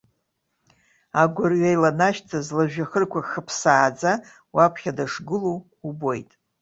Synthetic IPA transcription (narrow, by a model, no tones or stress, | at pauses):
aɡʷʊrɥajlanaʃtʰazlaʒᶣaχərkʷʰaχəpʰsaːd͡za | wapʰχʲadaʂɡɨluː | bo̞jtʼ